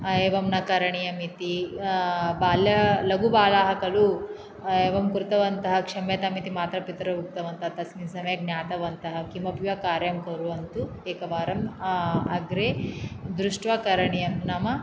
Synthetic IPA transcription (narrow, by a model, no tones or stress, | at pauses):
eːʋɐmnɐkɐɾɐɳijɐmit̪i | baːljɐlɐɡubaːlaːɦɐkɐlu | eːʋɐmkuɾt̪ɐʋɐnt̪ɐɦɐkʂɐmeːt̪ɐmit̪imaːt̪ɾɐpit̪ɾɐbuk̚t̪ɐʋɐnt̪ɐɦɐt̪ɐsminsɐmɐjɐɡnjaːt̪ɐʋɐnt̪ɐɦɐkimɐpjʋɐkaːɾjɐmkɐɾuʋɐnt̪u | eːkɐʋaːɾɐmɐɡɾeːd̪ɾuʂʈʋɐkɐɾɐɳijɐmnɐmɐ